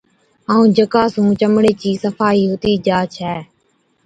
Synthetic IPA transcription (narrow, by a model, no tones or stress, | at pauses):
aːũːd͡ʒəkaːsũːt͡ʃəmɽeːt͡ʃiːsəfaːiːɦʊt̪iːd͡ʒaːt͡ʃʰɛː